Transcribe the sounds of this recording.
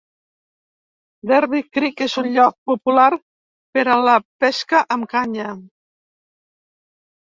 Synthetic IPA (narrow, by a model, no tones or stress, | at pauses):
d̪ɛɾβikɾikezunʎɔk̚pupulaɾ | peɾələpɛskəʔəmkaɲə